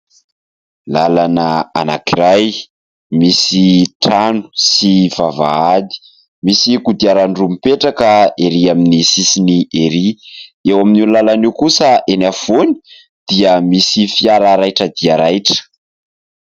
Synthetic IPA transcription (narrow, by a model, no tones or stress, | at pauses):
lalanaa̰na̰kiɾaj | misiʈ͡ʂanu̥siv̥ava̰ad̪i̥ | misikud̪iaɾaɳɖ͡ʐumipeʈ͡ʂakəeɾiaminisisinieɾiewaminunlalaniwkusəenafoni̥ | d̪̥iəmisifiaɾaɾajʈ͡ʂəd̪iaɾajʈ͡ʂə̥